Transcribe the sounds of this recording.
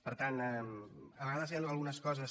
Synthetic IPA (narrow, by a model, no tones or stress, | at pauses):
pəɾt̪anɛməβəɣaðəzjanəlˠɣunəskɔzəs